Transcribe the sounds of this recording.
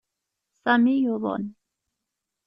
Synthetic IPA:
samijoβo̰n

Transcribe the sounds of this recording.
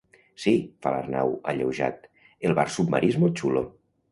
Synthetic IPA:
sifala̰rna̰waʎewʒa̰t̪ | elˠβarsub̚ma̰ɾiezmolˠt͡ʃulo

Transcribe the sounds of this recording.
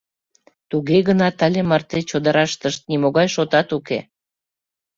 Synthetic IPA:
t̪uɣeɣənɑt̪ɑlʲemɑrt̪et͡ɕod̪əɾɑʃt̪əʃt̪̚nimoɣɑjʃot̪ɑt̪uke

